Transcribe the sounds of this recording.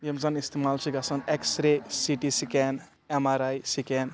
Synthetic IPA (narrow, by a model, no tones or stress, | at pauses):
jemzanist̪emalt͡ʃʰiɡasɐneksɾesiʈisiken | emaɾajsiken